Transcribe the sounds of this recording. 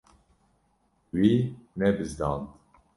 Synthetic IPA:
winɛbɨzd̪ɑːnd̪

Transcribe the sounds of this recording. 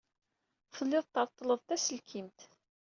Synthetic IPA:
fəlːɪðˤt̪ɑɾˤt̪ˤːələðˤt̪æsəlkʰimt̪

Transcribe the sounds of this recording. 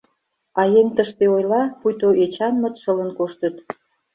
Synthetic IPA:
ɑjeŋt̪əʃt̪eojlɑpujt̪oʔet͡ɕɑnmə̆t̪ʃələ̆nkoʃt̪ə̆t̪

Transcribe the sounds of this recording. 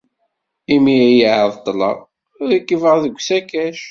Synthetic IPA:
imiæjiʕəðˤt̪ˤːlə̰ʁ | ʊɾikːəvəʁðəɡʷːsækæʃ

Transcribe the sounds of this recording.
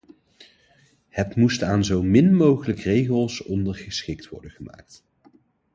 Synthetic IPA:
hətmustaːnzowmɪnmowχələkrejχəlˠsɔndəɹχəsχɪktʋɔ̰ɹdənχəma̰ːk̚t

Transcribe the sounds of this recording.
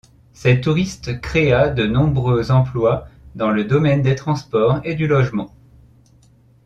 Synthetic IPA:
sɛt̪uʁist̪kχead̪ənɔ̃bʁøzɑ̃plwad̪ɑ̃ləd̪ɔmɛnd̪et̪χɑ̃spɔʁed̪ylɔʒmɑ̃

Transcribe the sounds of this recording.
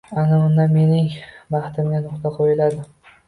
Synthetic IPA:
anaʊnd̪ame̞nɪŋbɑχt̪ʰɪmɡʲanʊqt̪ʰaqʰojɪlad̪ɪ

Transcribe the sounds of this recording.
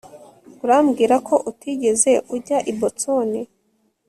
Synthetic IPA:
uɾamɡiːɾakʰo̞ʔutʰiɟe̞ze̞ʔuɾɟaʔibotoni

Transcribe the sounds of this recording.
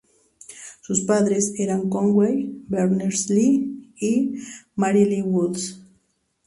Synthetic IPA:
sʊspaðɾeseɾaŋkoŋɡwejbeɾneɾsliː | maɾiliwuls

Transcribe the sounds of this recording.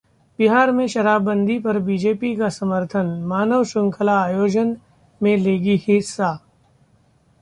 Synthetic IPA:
bɪɦaːɾmẽʃɐɾaːbːə̃nd̪ʱipɐɾbid͡ʒeːpikasɐməɾt̪ʰənmaːnəʋʃʊ̃ŋkʰəlaːjoːd͡ʒən | mẽleːɡihɪsːa

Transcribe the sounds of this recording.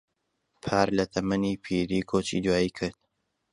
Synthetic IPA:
pʰaːɾlɐt̪ʰɐmɐniːpʰiːɾiːkʰoːt͡ʃḭd̪waːjiːkʰɨɾd̪̚

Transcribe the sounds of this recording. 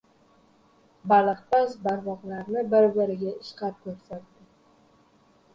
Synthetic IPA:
balˠɨχpazbaɾvɒʁlaɾnɪbɪɾbɪɾɪɡʲaɪʃqɑp̚kʰɵɾsaɾd̪̥ɪ

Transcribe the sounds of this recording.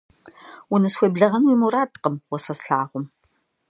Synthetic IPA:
ʊnɨsxʷebɮɐʁɐnwiːmuɾaːtʼqəmwɔsɐsɬaːʁʷʊm

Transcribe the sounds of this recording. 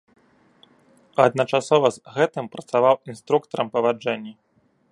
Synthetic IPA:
ɐd̪̚nɐt͡ʂasɔvɐzɣɛt̪ɨmpɾɐt̪savawinst̪ɾukt̪ɐɾɐmpɐvad͡ʐɛnʲːi

